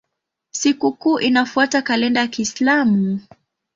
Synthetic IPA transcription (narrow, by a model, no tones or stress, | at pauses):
sikukuːʔinafuatakalɛndajakiːslamu